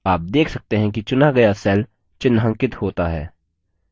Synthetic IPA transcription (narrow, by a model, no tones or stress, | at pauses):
aːp̚d̪eːkʰsɐk̚t̪eɦɛ̃kit͡ʃʊnaɡɐjasɛːl | t͡ʃɪnːɦɐ̃ŋkɪt̪hoːt̪aɦɛ̰ː